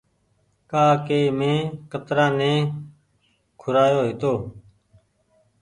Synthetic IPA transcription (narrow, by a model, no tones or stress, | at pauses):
kaːkeːmẽːkət̪ɾãːnẽː | kʰʊɾaːjoːɦɪt̪oː